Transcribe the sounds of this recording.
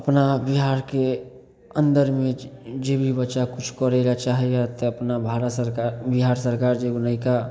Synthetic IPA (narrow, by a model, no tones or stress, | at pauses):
əpnabiɦaɾke | ənd̪əɾmed͡ʒebʱibətːt͡ʃakut͡ʃʰkəɾɛlat͡ʃaɦijat̪ɔəpnabʱaɾət̪səɾkaɾbiɦaɾsəɾkaɾd͡ʒeɡunaka